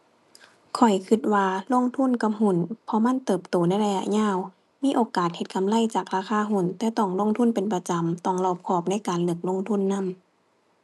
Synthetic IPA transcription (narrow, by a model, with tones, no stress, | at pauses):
kʰɔ˨˩jkʰɯ˧t̪̚waː˧lo˧˥˨ŋt̪ʰu˧˥˨nka˧m̚hu˧˩˨npʰɔ˧ma˧˥˨nt̪ɤː˨˩p̚t̪oː˨˩na˧˥˨jla˧ja̰˧˨ʔɲaː˧˥˨w | miː˧˥ʔoː˨kaː˨˩t̪̚he˧t̪̚kʰa˨mla˧˥˨jt͡ɕaː˨˩k̚ɾaː˧˩kʰaː˧˥˨ɦu˧˩˨nt̪ɛː˧˦t̪ɔ˧˩ŋlo˧˥˨ŋt̪ʰu˧˥˨npe˨npa˧t͡ɕa˨mt̪ɔ˧˩ŋlɔː˧˩p̚kʰɔː˧˩p̚na˧˥˨jkaː˨nlɤ˧˩k̚lo˧˥˨ŋt̪ʰu˧˥˨nːa˧˥˨m